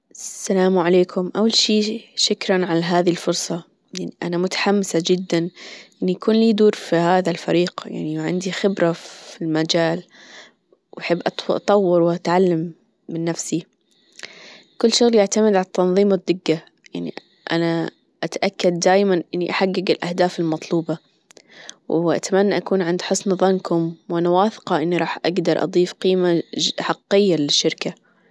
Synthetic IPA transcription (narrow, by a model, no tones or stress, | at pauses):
ʔsːalaːmʕaleːkʰʊmʔawːalʃiːʃʊkɾˤɑnʕalaɦaːðilfʊɾˤsˤɑ | jaʕniʔanamʊt̪ḁħamːɪsad͡ʒɪd̪ːanʔɪnːijakuːnliːd̪uːɾfihaːðalfaɾiːɡja̰ʕniʕɪ̰nd̪ixɪbɾafilmad͡ʒaːl | wʔaħɪbːʔɑt̪ˤʔt̪ˤɑwːɪɾwɪʔat̪ʕalːamː | ɪnːafsi | kʊlːʃʊɣljɪʕt̪amɪd̪ʕalat̪ːɑnðˤiːmɪd̪ːɪɡːa | jaʕnḭ | ʔa̰na | ʔat̪aʔakːad̪̚ːaːjmanʔɪnːiʔaħaɡːɪɡɪlʔahd̪aːfɪlmɑt̪ˤluːbɑ | wʔa̰t̪amanːaʔakuːnʕɪnd̪ħɨsˤnðˤɑnkʊmwʔanawaːθɪ̥qɑʔɪnːiɾˤɑːħʔa̰ɡd̪ɑɾˤʔɑ̰d̪ˤiːfqiːmaħɑqːɪjːalɪʃːɪɾka